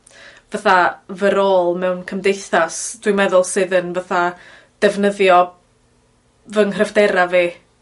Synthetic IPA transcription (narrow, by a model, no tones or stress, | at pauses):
v̥əθavəɾoːlˠmɛwnkʰəmdejθasd̥wimɛðʊlˠsɨðənvəθa | d̥ɛvnəðjɔ | vəŋhrəvdɛɾaveː